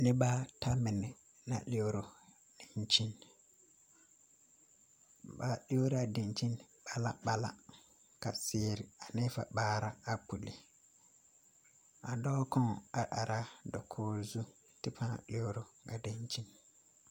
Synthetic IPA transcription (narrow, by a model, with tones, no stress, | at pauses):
nɪ˦ba˦tʰa˦mɪ˨nɪ˨ | na̰˨le˦o˦ɾo˨ | d̥i˨nt͡ʃi˦n | ba˦le˦o˦ɾa˨di˨nt͡ʃi˦n | ba˦la˦ba˦la̰˦ | ka̰˨seː˦ɾɪ˨a˨nɪ˦fa̰˨baː˦ɾa˦a˨pu˨lɪ˨ | a˨dɔː˦kʰɔ̃˦ŋ˨a˨ʔa˨ɾa˦dɔ˨kʰoː˦zu˦ | tɪ˦pʰã̰˦˨lɪ˦o˦ɾo˨ka˨de˨ɲt͡ʃi˦n